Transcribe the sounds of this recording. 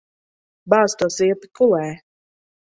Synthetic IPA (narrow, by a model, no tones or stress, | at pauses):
baːst̪uɔsiɛpi̥kulˠɛː